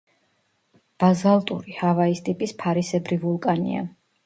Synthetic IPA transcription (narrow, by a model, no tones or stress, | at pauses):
b̥azalˠt̪ʼṵɾihavaist̪ʼipʼispʰaɾisɛbɾivulˠkʼanḭa̰